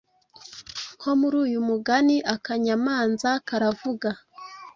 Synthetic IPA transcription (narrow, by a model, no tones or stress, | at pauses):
kʰo̞muɾuːjumuɡaniʔakaɲamaːnzakaɾavuɡa